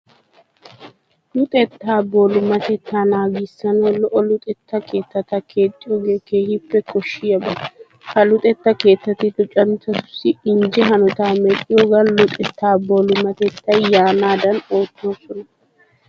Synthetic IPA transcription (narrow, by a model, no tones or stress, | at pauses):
lʊt̪ʼɛt̪ːaːbolʊmɐt̪ɛt̪ːaːnaːɡɪsːɐnolɔʔɔlʊt̪ʼɛt̪ːɐkʰe̞ːt̪ːɐt̪ɐkʰe̞ːt̪ʼːɪjoɡeːkeːhɪpːɛkɔʃːɪjɐbɐ | kɐlʊt̪ʼɛt̪ːɐke̞ːt̪ːɐt̪ːɪt̪ʊt͡ʃʼɐmt̪ːɐt̪ʊ̥sːɪɪnd͡ʒɛɦɐnɔt̪aːmɛkʼːɪjoːɡɐnlʊt̪ʼɛt̪ːaːboːlʊmɐt̪ɛt̪ːɐjjaːnaːd̪ɐno̞ːt̪ːo̞ːsɔnɐ